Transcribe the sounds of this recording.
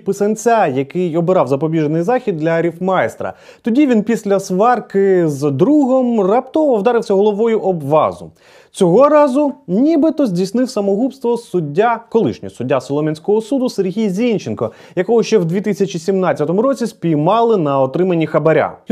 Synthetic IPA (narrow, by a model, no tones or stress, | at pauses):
pɪsɐnʲt͡sʲajɐkɪjɔbɪɾɑwzɐpɔbʲiʒenɪjzɑxʲid̪̚ːlʲɐɾʲifmɑjɛst̪ɾɐ̰ | t̪ɔdʲiʋʲinpʲisʲlʲɐsʋɑrkɪzd̪ɾuɦɔmrɐpt̪ɔʋɔwd̪ɑɾɪwsʲɐɦɔlˠɔʋɔjʊʔɔbʋɑ̰zʊ̰ | t͡sʲɔɦɔɾɑzʊnʲibɪt̪ɔzʲdʲijsnɪwsɐmɔɦupst̪ʋɔsʊdʲːakɔlˠɪ̰ʃnʲḭsʊdʲːasɔlˠɔmʲɛnʲsʲkɔɦɔsud̪ʊserɦʲijzʲinʲt͡ʃenkɔ | jɐkɔɦɔʃt͡ʃɛwd̪ʲʋʲit̪ɪsʲɐt͡ʃisʲimnɑt͡sʲːɐt̪ɔmʊɾɔt͡sʲispʲijmɑlˠɪnɐɔt̪ɾɪmɐnʲːixɐbɐɾʲa̰